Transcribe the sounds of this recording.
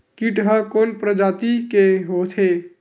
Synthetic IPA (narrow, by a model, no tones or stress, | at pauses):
kiʈɦəkonpɾəd͡ʒat̪ikeɦot̪ʰe